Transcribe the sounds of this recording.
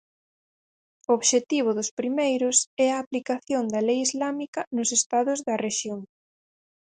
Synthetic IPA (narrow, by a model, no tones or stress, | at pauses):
ooβʃet̪iβ̞ʊðʊspɾimejɾʊsɛɐːplikaθjond̪ɐlejizlamikɐnʊsest̪aðʊzðɐreʃjoŋ